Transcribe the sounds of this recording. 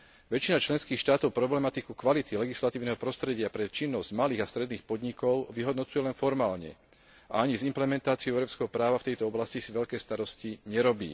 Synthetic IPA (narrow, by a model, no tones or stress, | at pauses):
ʋɛt͡ʃinat͡ʃlɛnskiːxʃt̪aːt̪ɔʊpɾɔblɛmat̪ikukʋalit̪ilɛɡislat̪iːʊnɛɦɔpɾɔst̪ɾɛɟɪapɾɛt͡ʃinːɔzɟmaliːɣast̪ɾɛd̪niːxpɔd̪ɲikɔʊʋiɦɔd̪nɔt͡sujɛlɛnfɔɾmaːlɲɛ̰ | ʔa̰aɲizimplɛmɛnt̪aːt͡siʊɛʊɾɔpskɛɦɔpɾaːʋaft̪ɛjt̪ɔɔblascisiʋɛʎkɛːst̪aɾɔsciɲɛɾɔbḭː